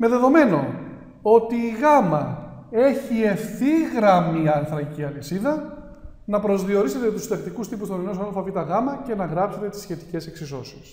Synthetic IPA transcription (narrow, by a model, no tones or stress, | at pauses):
me̞ðe̞ðo̞me̞no̞ | ot̪iːɣɐmɐe̞çie̞fθiɣɾɐmiɐnθɾɐciɐlisiðɐ | nɐpɾo̞zðio̞ɾise̞t̪e̞t̪ust̪ɐkt̪ikust̪ipust̪onenosnɐlfɐvit̪ɐɣɐmɐce̞nɐɣɾɐpse̞t̪e̞t̪isçe̞t̪i̥ce̞se̞ksiso̞si̥s